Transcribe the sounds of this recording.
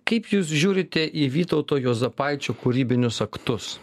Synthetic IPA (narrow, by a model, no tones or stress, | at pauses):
kɐɪpjuːs̬ʒʲuːɾʲɪt̪ʲɛʔiʋʲiːt̪ɔʊt̪oːjoːzɐpɐɪt͡ʃʲoːkʊɾʲiːbʲɪnʲʊsɐkt̪ʊs